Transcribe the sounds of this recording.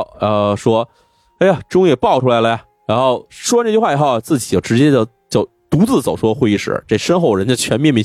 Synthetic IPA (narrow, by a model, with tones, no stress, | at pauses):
ə˧ʂwɔ˥ | a˥ɪa˩ʈ͡ʂʊ˥ŋjɛ˨˩pɑ˥˩ʊʈ͡ʂʰu˥la˧˥ɪlə˧jɐ˨˩ | ɻa˧˥nxo˥˩ʊʂwɔ˥ʈ͡ʂt͡ɕy˧˥wa˥˩i˧˥xo˥˧ʊa˩t͡sɹ̩˥˩t͡ɕi˨˩t͡ɕjo˥˩ʈ͡ʂɻ̩˧˥t͡ɕjɛ˥t͡ɕjɑ˥˩ʊ | t͡ɕjʊt̪u˧˥t͡sɹ̩˥˩t͡so˨˩ʊʂwɔ˥˧xwe˥˧ɪi˥˩ʂɻ̩̰˨˩ʈ͡ʂe˥˩ʂə˥nxo˥˩ʊɻə˧˥nt͡ɕt͡ɕʰɥɛ˧˥nmjɛ˥˩nmi˧˥